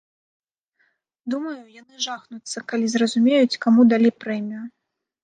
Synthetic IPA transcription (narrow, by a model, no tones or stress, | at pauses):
d̪umɐjujanɨʐaxnut̪sːɐkalʲizrɐzumʲejut͡sʲkamud̪alʲejpɾɛjmʲiju